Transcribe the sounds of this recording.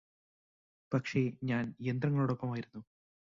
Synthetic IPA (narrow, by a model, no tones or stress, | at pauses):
pɐkʂe̞ɲaːnjend̪rɐŋːɐɭoːɽo̞pːɐmaːjiɾunːu